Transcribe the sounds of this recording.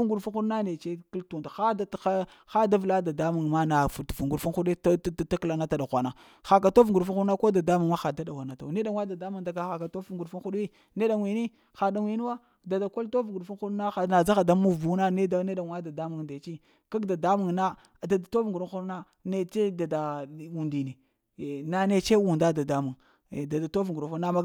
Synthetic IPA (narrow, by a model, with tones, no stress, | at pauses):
ɡu˨ɾfu˦nxu˦ɗu˦na˦ne˨t͡ʃe˦ki˦ltu˨nta˨xa˦da˦˨a˦ | xa˦da˦vla˦da˨da˦mu˨ŋma˦na˨fu˨tfu˨ŋɡu˨fu˦nxu˦ɗi˦ta˦kla˨na˦ta˨da˨xʷa˨na˨ | xa˨k̬a˨to˦vŋɡu˨ɾfu˦nxu˦na˦ko˦da˨da˦mu˨ŋma˦xa˨da˦da˨wa˨na˨ta̰˨ne˦da˨ŋwa˦da˨da˦mu˨ŋda˨ɡa˦xa˨ka˨to˦u˦ŋɡu˨ɾfu˦nxu˦ɗi˦ | ne˦da˨ŋwi˨ni˦ | xa˨da˨wʷi˦n˦wa˦ | da˨da˨ko˦lto˦vɡu˨fu˦n˦xu˦ɗna˦xa˨na˨za˦xa˨da˦mu˦˨vu˨˦na˦ne˦da˦ne˦da˨ŋwa˦da˨da˦mu˨ŋda˨t͡ʃi˦ | ka˦ɡda˨da˦mu˨ŋna˦˨ | da˨da˨to˦vŋɡu˨ɾu˦u˦ɗna˦ | ne˦t͡ʃe˦da˨da˨wu˨ndi˨ne˨ | na˨ne˦t͡ʃe˦wu˨nda˦da˨da˦mu˨ŋ˨ | da˨da˨to˦vŋɡu˨ɾfu˦na˦ma˦